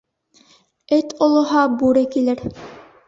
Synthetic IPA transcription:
ɘt̪ŏlˠŏɦɑbuɾɘkilɘɾ

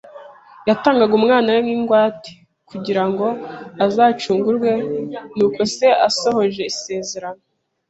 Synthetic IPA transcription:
jataːŋɡaɡumŋaːnaweiːŋɡwaːti̥ | kuɟiɾaŋɡo̞azaːt͡ʃuːŋɡuɾɡwe̞nuːko̞se̞ʔaso̞ho̞ʒe̞ise̞ːze̞ɾano

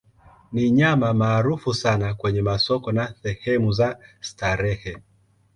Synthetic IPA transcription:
niɲamamaːɾufusanakwɛɲɛmasɔkɔnaθɛhɛmuzastaɾɛhɛ

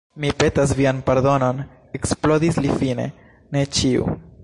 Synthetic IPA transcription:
mipe̞tas̬vianpeɾdo̞no̞n | eksplodislifine̞̰ | ne̞t͡ʃiṵ

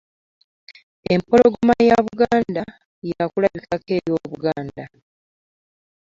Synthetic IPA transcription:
e̞mpo̞lo̞ɡo̞majaβuɡaːnda | jakulaβikake̞ːɾjo̞ːβuɡaːnda

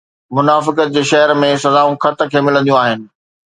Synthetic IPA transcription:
mʊnaːfɪkət̪̚d͡ʑeːʃɐɦəɾmẽsɐzaːũxʰɐt̪kʰeːmɪlə̃nd̪ijũaːɦɪnɪ̆

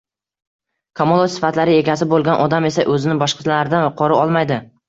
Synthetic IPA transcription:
kʰamolˠot̪sɪ̥fat̪laɾɪe̞ɡʲasɪbolˠɡʲanʔɒd̪ame̞saʔɵzɪnɪbɒʃqɨ̥t̪ʰlanaɾɪd̪anqʰɒɾɪɒlˠmajd̪ɪ

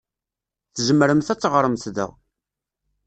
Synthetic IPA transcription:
θʒəmːɾəmθæt͡sːʁɾˤəmθðæ̰ʁ

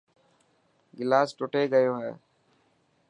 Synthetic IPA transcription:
ɡilaːsʈoʈeɡəjoɦɛ

